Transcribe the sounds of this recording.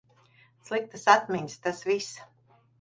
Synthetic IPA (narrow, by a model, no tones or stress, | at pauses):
slˠik̚t̪ɨsat̪mʲeɲʲst̪asvis